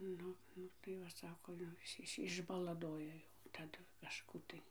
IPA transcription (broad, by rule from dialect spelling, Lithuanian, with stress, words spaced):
ˈnʊ ˈnʊ tɐɪ ˈʋɐ ˈsɑːkoː jɛʊ ˈɪs ˈɪs ɪʒbɐlˠɐˈdoːjɛ jɛʊ tɐˈdʊ kɐˈʃkuː tɐɪ